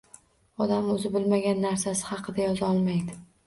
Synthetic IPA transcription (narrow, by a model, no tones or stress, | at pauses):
ɒd̪amɵzɪbɪlmaɡʲanːaɾsasɪ̥hɑqʰɨd̪ajɒzɒlˠmajd̪ɪ